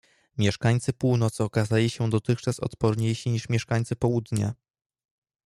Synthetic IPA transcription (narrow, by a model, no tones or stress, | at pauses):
mʲjɛʂkaɲt̪sɘpuwnɔt̪sɘɔkazalʲiɕɛd̪ɔt̪ɘxt͡ʂasɔ̰t̪pɔɾɲejɕiɲiʂmʲjɛʂkaɲʲt̪sɘpɔwud̪ɲa̰